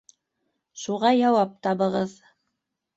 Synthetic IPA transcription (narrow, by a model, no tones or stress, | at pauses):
ʃuʁɑjɑwɑp̚t̪ɑβɤ̆ʁɤð